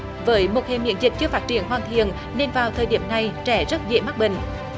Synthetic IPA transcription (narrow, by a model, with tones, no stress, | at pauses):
vəː˨˦jmo˨˩t̚he˨˩mḭ˧˥ənzï˨˩k̟̚t͡ɕɨ˧əfaː˦˥t̚t͡ɕi˧˩˦ənɦwaː˨˩nt̪ʰḭ˧˨ən | ne˧nvaː˨˩wt̪ʰəː˨˩jɗi˧˩əmna˨˩jt͡ɕɛ˧˩zə˦˥t̚zə̰˧˨ma˦˥k̚ɓï˧˨ŋ̟